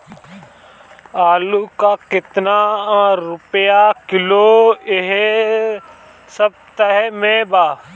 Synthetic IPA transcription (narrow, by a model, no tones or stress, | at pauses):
aːlukakɪt̪naɾʊpjakɪloːeɦe | səb̚t̪əɦɛmẽːbaː